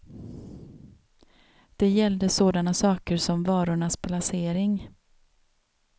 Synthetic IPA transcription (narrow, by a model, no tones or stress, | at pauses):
d̪̥ɛjɛld̪əsoːd̪anasɑːkəɾʂɔmvɑːɾʊɳaspʰlaseːɾɪŋ